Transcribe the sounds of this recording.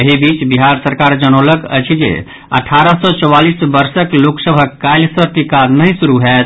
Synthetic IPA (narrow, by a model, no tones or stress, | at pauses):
əɦibit͡ʃbiɦaɾsəɾkaɾd͡ʒəñoləkə̰t͡ʃʰid͡ʒḛ | ə̰ʈʰaɾəsɔt͡ʃɔwalisbəɾsəkloksəbʱəkːajlsəʈikanəjsuɾuɦɛt̪ʰ